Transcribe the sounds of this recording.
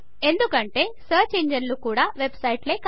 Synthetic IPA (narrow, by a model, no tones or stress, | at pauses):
e̞nd̪ukɐɳʈe̞ːsɐːt͡ʃeːɲd͡ʒɐnlukuːɽaːʋe̞bsɐjʈleːk